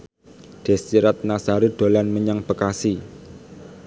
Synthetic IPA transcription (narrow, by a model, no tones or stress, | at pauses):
ɖ̪̥ɛ̤siɾat̪̚nasaɾid̪̥o̤lanməɲaŋb̥əkasi